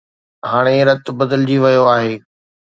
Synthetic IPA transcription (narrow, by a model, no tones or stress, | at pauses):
ɦaːɽ̃eɾɐt̪bɐd̪əld͡ʑiʋɐjoaːɦeː